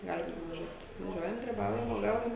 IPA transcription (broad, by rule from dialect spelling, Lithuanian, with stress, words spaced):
ˈɡɑːlʲɪm nʊʋɐˈʒʲuɔt ʋɐˈʒʲuɔjɛm ɡrʲɪˈbɐʊjɛm uɔˈɡɐʊjɛm